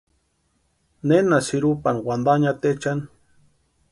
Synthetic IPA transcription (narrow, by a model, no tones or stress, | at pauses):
nenasiɾupanwand̪aɲat̪et͡ʃan